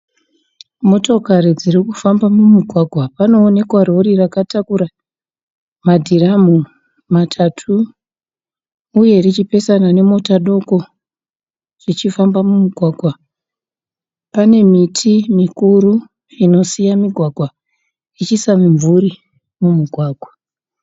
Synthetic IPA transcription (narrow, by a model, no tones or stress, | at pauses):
mo̞to̞kaɾid͡ziɾikufambamumiɡʱwaɡʱwapano̞ːne̞kwaro̞rirakatakuɾa | madʱiramu | matʰatʰu | je̞rit͡ʃipe̞sanane̞mo̞taɗo̞ko̞ | r̥it͡ʃifambamumiɡʱwaːɡʱwa | pane̞mitʰimikuɾu | ino̞sijamiɡʱwaɡʱwa | it͡ʃisamiɱvuɾi | mumuɡʱwaːɡʱwa